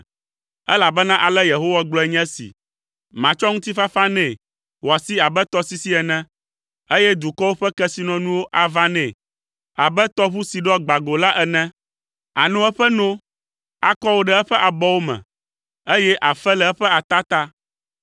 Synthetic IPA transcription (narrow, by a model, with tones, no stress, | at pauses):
ɛ˦la˨bɛ˦nã˦ʔa˨lɛ˦je˨ɦo˦wa˦ɡ͡blɔ˦ɛ˨ɲɛ̃˦sḭ˨ | mã˨t͡ʃɔ˦ŋũ˦t̪i˦fa˦fa˦nɛ̃˨ | wo˨a˨si˦a˨bɛ˦t̪ɔ˦si˦si˦ɛ˨nɛ̃˦ | e˦jɛ˦d̪u˨kɔ˦wo˦ɸɛ˦kɛ˦si˦nɔ̃˨nũ˦wo˦ʔa˨va˦nɛ̃˨ | a˨bɛ˦t̪ɔ˦βu˦si˨ɖɔ˦ɡ͡ba˨ɡo˨la˦ʔɛ˨nɛ̃˦ | a̰˨nɔ̃˦ɛ˦ɸɛ˦nõ˦ | a̰˨kɔ˦wo˦ɖɛ˦ɛ˦ɸɛ˦ʔa˨bɔ˦wo˦mɛ̰̃˨ | e˦jɛ˦ʔa˨fɛ˦lɛ˨ɛ˦ɸɛ˦a˨t̪a˦t̪a˦